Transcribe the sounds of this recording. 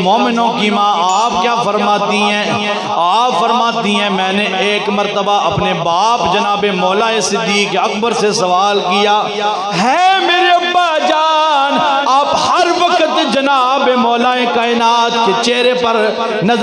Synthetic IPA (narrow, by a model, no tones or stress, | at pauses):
mɔːmɪnõkimãːaːpkjaːfɐɾmaːt̪iɦɛ̃ː | aːpfɐɾmaːt̪iɦɛ̃mɛ̃ːneeːkmɐɾt̪əbaʔɐpnebaːpd͡ʒɐnaːbemɔːlaesɪd̪ːiːkɐk̚bəɾsesɐʋaːlkijaː | ɦɛ̃meːɾeɐbːaːd͡ʒaːnaːphɐɾʋɐkət̪d͡ʒɐnaːbemɔːlaekaːɪnaːt̪ket͡ʃeːɾepɐɾ | nɐ